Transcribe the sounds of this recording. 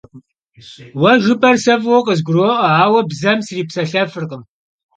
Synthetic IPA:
wɐʒʷʊpʼɐrsɐvwɔqəz̬ɡʷʊɾoʔɐaːwɐbzɐmsɨriːpsɐɬɐfɨrqəm

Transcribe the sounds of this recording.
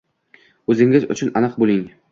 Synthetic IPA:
ɵzɪŋɪzʊ̰t͡ʃʰʊnanɨqbolˠɪŋ

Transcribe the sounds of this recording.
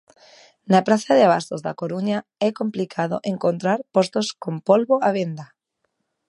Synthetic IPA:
napɾaθaðeaβ̞ast̪ozða̰koɾuɲaɛkomplikʰaðo̰ʔẽŋkont̪ɾaɾpost̪oskompolβoaβ̞end̪a

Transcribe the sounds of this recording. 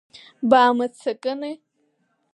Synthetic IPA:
baːmɨt͡sʰakʼɨne

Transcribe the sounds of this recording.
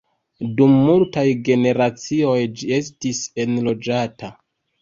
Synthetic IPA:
dumːultajɡe̞ne̞ɾat͡sio̞jd͡ʒie̞stise̞nlo̞d͡ʒata

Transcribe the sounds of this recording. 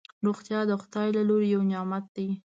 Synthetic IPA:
ɾoxt̪jɑd̪əxʊ̥d̪ɑjlaloɾejawnɪjɑmat̪̚d̪aj

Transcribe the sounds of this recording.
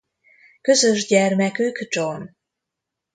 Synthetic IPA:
kø̞zø̞ʒɟɛrmɛkyɡd͡ʒon

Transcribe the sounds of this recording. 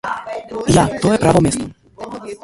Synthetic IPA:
jat̪ɔjɛpɾavɔmʲjɛst̪ɔ

